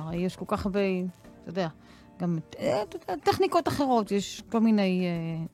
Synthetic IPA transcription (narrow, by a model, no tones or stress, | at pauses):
ʁejeʃkolkaχabejtojod̪ea | ɡamt̪ood̪eat̪eχnikot̪aχeʁo̞t̪jeʃko̞lmineje